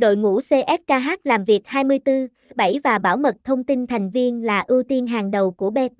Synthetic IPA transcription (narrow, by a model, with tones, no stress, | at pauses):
ɗo̰˧˨jŋṵ˧˥se˧ʔɛ˦˥t̚kaː˧ɦaː˦˥t̚laː˨˩mvi˨˩ək̚haː˧jmɨ˧əjt̪ɨ˧ | ɓə˧˩jvaː˨˩ɓaː˧˩wmə˨˩t̚t̪ʰə˧wŋ͡mt̪i˧nt̪ʰa˨˩jŋ̟vi˧ənlaː˨˩ʔɨ˧wt̪i˧ənɦaː˨˩ŋɗə˨˩wku˧˩əɓɛ˦˥t̚